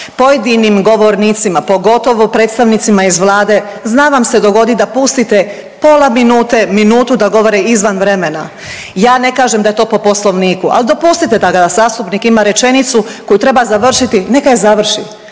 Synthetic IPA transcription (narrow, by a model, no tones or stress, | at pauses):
po̞je̞d̪inimɡo̞ʋo̞ɾniːt̪simapo̞ɡo̞t̪o̞ʋopɾe̞ːt̪st̪aʋnit̪simaizʋlˠaːd̪e̞znaʋamse̞d̪o̞ɡo̞d̪id̪apust̪it̪e | po̞ːlˠaminuːt̪e̞minuːt̪ud̪aɡo̞ʋo̞ɾeizʋanʋɾe̞mena | jaːne̞kaːʒemd̪aje̞t̪oːpo̞po̞slo̞ʋniːkua̰lid̪o̞pust̪it̪e̞d̪aɡasaːst̪upnikimaɾe̞t͡ʃe̞nit̪suko̞jut̪ɾe̞bazaʋr̩ʃit̪ine̞kajezaʋr̩ʃi